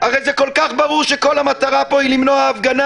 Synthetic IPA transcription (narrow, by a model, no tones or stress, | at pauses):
aʁejzeko̞lkaχbaʁuʁʃeko̞lamat̪aʁapo̞ilimnoaːfɡana